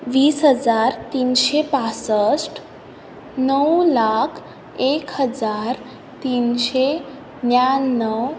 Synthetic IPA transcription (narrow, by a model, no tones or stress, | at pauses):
ʋiːsɦəd͡zaɾt̪iːnɕepasəsʈ | nəwlakʰ | ekɦəd͡zaɾ | t̪inɕe | njanːəw